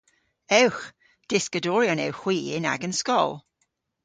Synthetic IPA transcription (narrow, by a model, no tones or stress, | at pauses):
ɛwx | d̥ɪskədɔːɹjɔnɛ̰wxw̥iːɪ̰na̰ɡənskɔlˠ